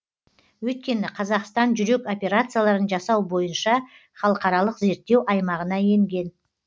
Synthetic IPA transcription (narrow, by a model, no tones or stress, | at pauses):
wɵjt̪̚kʲe̞nɪqʰɑzɑqst̪ɑnʒʏɾe̞ko̞pʲe̞ɾat̪sɨjalˠɑɾənʒɑsɑwbo̞jənʃɑ | χɑlˠəqɑɾɑlˠəqze̞ɾt̪ːe̞wʔɑjmɑʁənɑje̞ŋɡʲe̞n